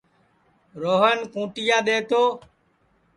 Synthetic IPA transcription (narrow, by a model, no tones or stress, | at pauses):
ɾoːɦənkũːʈɪjaːɗeːt̪oː